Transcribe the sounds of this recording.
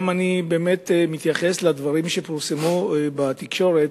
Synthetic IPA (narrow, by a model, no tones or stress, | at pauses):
manibe̞ːme̞t̪mit̪jaχe̞slad̪vaʁimʃepiʁsemubat̪ikʃo̞ʁet